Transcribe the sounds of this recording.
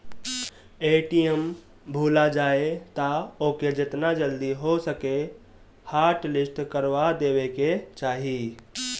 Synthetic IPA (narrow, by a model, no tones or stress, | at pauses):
eʈijəm | bʱulad͡ʒaet̪aoked͡ʒet̪nad͡ʒəld̪iɦosəke | haɾʈlisʈkəɾʋad̪eweket͡ʃaːɦi